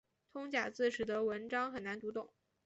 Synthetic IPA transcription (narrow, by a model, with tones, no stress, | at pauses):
t̪ʰʊ˥ŋt͡ɕja˨˩t͡sɹ̩˥˩ʂɻ̩˨˩d̪ə˧˥wə˧˥nʈ͡ʂɑ˥ŋxə˨˩na˧˥nt̪u˧˥t̪ʊ˥˩˦ŋ